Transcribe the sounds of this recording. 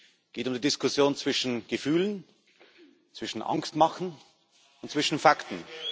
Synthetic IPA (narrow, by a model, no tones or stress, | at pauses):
ɡ̥eːtʊmdiːdɪskʰʊsjoːnt͡sv̥ɪʃn̩ɡ̥əfyːlən | t͡sv̥ɪʃn̩ʔa̰ŋkstmaχn̩ | ʊntt͡sv̥ɪʃn̩faktn̩